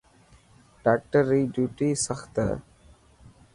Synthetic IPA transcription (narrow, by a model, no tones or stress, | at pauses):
ɖaːk̚ʈəɾːiːɖjuːʈiːsəxt̪ə̰ː